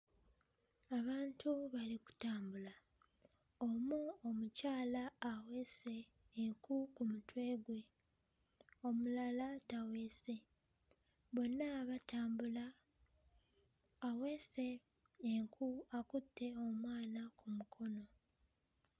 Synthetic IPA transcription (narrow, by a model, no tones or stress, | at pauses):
aβaːntʰuβaliku̥taːmbula | omuomucaːlaːwe̞se̞ː | ŋkukumutwe̞ːɡwe̞ | o̞mulalatawe̞ːse̞ | βo̞nːaβataːmbula | we̞se̞ː | ŋkʰuakutːe̞o̞mwaːnakʰumukʰo̞no̞